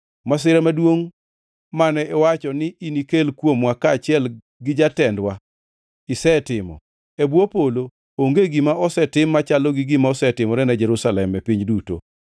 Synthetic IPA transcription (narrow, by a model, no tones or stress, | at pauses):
mas̬ɪɾamadwoŋ | manɛɛwat͡ʃɔnɪʔinikelkwomwakaːt͡ʃɪɛl | ɡɪd͡ʒatɛndwa | ɪsɛtɪmɔ̰ | ebwopolo | oŋɡeɡimaɔsɛtɪmːat͡ʃalɔɡɪɡɪmaɔsɛtɪmɔɾɛnad͡ʒɛɾusalɛmːɛpiɲduto̰